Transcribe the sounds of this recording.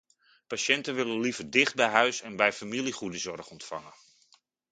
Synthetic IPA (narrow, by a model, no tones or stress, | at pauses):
paʃɛntənʋɪlənlivərdɪχt̚bɛjɦœɥsɛnbɛjfamiliχudəzɔrχɔntfɑ̰ŋən